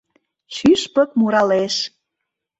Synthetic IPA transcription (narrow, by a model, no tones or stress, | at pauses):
ʃyʃpə̆k̚muɾɑleʃ